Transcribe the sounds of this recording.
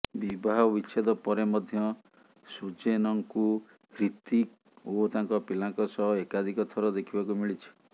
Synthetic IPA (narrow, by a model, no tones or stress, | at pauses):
bibʱaɦɔbit͡ʃʰed̪ɔpɔɾemɔd̪ʱjɔ | sut͡ʃenɔŋku | ɾit̪ik | ot̪aŋkɔpilaŋkɔsɔɦɔekad̪ʱikɔt̪ʰɔɾɔd̪ekʰibakumiɭit͡ʃʰi̥